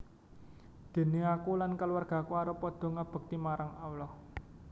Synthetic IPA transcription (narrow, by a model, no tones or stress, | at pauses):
d̪̥e̤neakulankəluwarɡ̥a̤kuaɾəpɔd̪̥ɔ̤ŋab̥ə̤k̚t̪imaɾʔaŋawlɔh